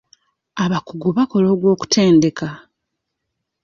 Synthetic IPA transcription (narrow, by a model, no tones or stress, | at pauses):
aβakuɡuβako̞lo̞ːɡwo̞ːku̥tʰe̞ːnde̞ka